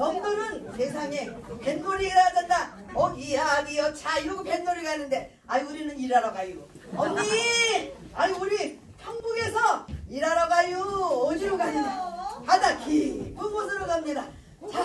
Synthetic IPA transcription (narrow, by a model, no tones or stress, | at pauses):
jʌŋnuɾɯnse̞sʰaŋe̞pe̞nmoɾiiɾajadenda | ʌɡiaɡijʌt͡ɕʰaiɾʌɡope̞nmoɾiɡanːɯnde̞ | aiuɾinɯniɾaɾaɡaju | ʌmɲi | aɲiuɾi | haŋbuɡe̞sʰʌiɾaɾʌɡajuʌd͡ʑiɾoɡaɲɯdapadakʰikɯmodɯɾoɡamɲida | t͡ɕa